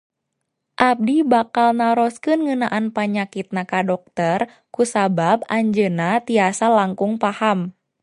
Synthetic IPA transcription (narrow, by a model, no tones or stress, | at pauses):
ʔab̚dibakalnaɾɔskɨnŋɨnaʔanpaɲakit̪̚nakadɔk̚t̪ər | kusabab̚aɲd͡ʒənat̪iasalaŋkuŋpaham